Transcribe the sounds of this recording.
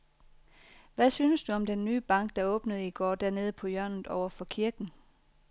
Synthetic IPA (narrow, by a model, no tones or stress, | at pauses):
ʋæsyːnəsd̥uɒ̽md̥enːyːb̥ɑ̈ŋ̰ɡ̥̚d̥ɑ̈ɔ̽ːb̥nəð̞̩ˠiɡ̥ɒ̰ːd̥æɐne̝ːðˠəpʰɒ̽jɶɐ̰nð̩ˠɒʊɐfɒ̽kʰiɐɡ̥n̩